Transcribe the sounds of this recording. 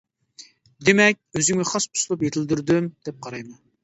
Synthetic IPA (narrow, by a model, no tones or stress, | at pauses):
d̪emɛk̚ʲøzyŋmɛχɑsu̥slˠupjet̪ʰɪld̪yɾd̪ymd̪̥ɛp̚qʰɑɾɑjmɑn